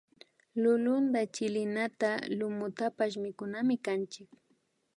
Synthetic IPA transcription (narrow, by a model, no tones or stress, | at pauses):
lʊlʊnd̪at͡ʃɪlɪnat̪alʊmʊt̪apaʃ̬mɪkʊnamɪkant͡ʃɪk̚